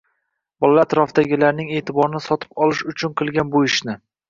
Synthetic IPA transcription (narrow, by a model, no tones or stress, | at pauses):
bɒlalat̪ɾɒfd̪aɡʲɪlaɾnɪŋe̞ːt̪ʰɪbɒɾɪnɪsɒt̪ʰɪ̥pɒlɪʃʊt͡ʃʰʊnqʰɨlˠɡʲanbʊɪʃnɪ